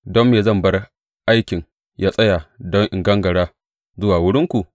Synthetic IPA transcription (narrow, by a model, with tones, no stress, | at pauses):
dɔ˦mːeː˨zɐ˦˨mbɐ˦r | ʔa˦jkʲɪ˨ŋ | jʔaː˦sʼɐ˦ja˨dɔ˦ŋʔɪ̰˨ŋɡɐ˦ŋɡɐ˨ɽaː˦ | zʊ˦waː˨wʊ˦ɽɪ˦ŋkʷu˨ʔ